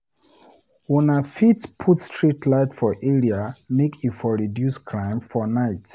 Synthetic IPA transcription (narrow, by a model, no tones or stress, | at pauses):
wɛ̃nafitpʰutstɹitʰlaɪtfɔʔɛɹiamekʰifɔɹidjuskʰɹãɪ̃mfɔnaɪt